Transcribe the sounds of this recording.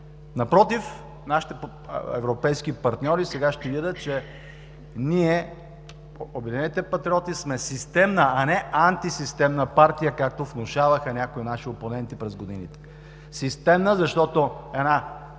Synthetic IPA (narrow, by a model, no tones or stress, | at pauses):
nɐpɾɔt̪if | naʃi̥t̪ɛ | ɛ̰vɾopɛjsk̟ipɐɾt̪nʲɔɾisɛɡaʃt̪ɛvid̪ət̪t͡ʃɛ | niɛ | obʲɛd̪ʲinɛnit̪ɛpɐt̪ɾiɔt̪ismɛsist̪ɛmnəʔːnɛant̪isist̪ɛmnəpaɾt̪ijəkak̚t̪ofnoʃavəxənʲakoinaʃioponɛnt̪ipɾɛzɡod̪ḭnit̪ɛ̥ | sist̪ɛmnəzɐʃt̪ɔt̪oɛna